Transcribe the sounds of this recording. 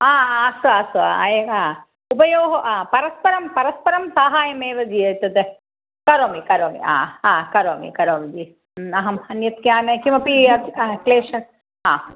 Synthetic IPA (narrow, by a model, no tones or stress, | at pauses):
aːaːsuaːsua̰ːa̰jeaː | upɐjoːɦɐʔaːpɐɾɐspɐɾɐmpɐɾɐspɐɾɐmsaːɦaːjɐmeːʋɐd͡ʒiɐt̪ɐt̪e | kɐɾoːmikɐɾoːmḭa̰ːaːkɐɾoːmḭkɐɾoːmid͡ʒi | ɐɦɐmɐnjɐt̪kjaːnekimɐpiɐt̪ːkleːʃɐ | aː